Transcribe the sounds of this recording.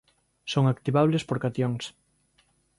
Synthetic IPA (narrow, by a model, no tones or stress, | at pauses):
soŋakt̪iβaβ̞lespoɾkat̪joŋs